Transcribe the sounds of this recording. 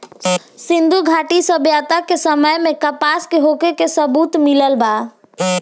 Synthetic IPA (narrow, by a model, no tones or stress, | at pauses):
sĩnd̪ʱuɡʱaʈisəbjat̪akesəməjmekəpaskeɦokekesəbut̪miləlba